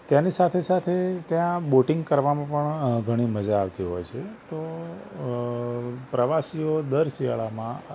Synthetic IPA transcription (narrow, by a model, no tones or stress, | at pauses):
t̪janisat̪ʰesat̪ʰet̪jãboʈiŋɡkəɾʋamãpəɳɡʱəɽ̃iməd͡ʒaːʋt̪iɦɔ̰jt͡ʃʰet̪o | pɾəʋasiod̪əɾsia̰ɭamã